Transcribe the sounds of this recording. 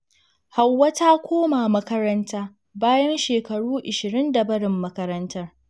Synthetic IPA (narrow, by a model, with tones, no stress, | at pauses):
ha˨wːɐ˦taː˦kʷoː˦maː˨mɐ˦kɐ˦ɾɐ˦ntaː˦ | baː˦jɐ˦nʃeː˨kɐ˨ɽuː˦ʔɪ˨ʃɪ˨ɾɪ˦ndɐ˨bɐ˦ɽɪ˨mːɐ˦kɐ˦ɾɐ˦ntɐ˦r